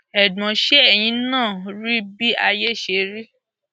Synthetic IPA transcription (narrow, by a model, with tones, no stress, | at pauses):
ɛ˨dã˨ʃe˦ɛ˦˨j̃ĩ˧nãː˦˨ɾi˦bi˦a˧je˦˨ʃe˧˦ɾi˦